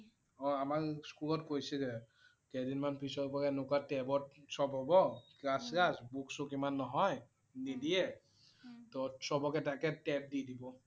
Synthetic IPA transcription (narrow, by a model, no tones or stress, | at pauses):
ɔamakskulɔtkojsɛzɛ | kɛdinmanpʰisɔbakɛnʊkatɛbɔt̚sɔbɦɔbɔkɹaskasbuksukimanːɔɦɔj | nidijɛ | tɔsɔbɔkɛtakɛtɛp̚didibɔ